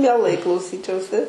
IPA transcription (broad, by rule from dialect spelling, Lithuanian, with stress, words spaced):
mʲiɛˈlˠɐɪ klˠɐʊˈsʲiːt͡ʃʲɛʊsʲɪ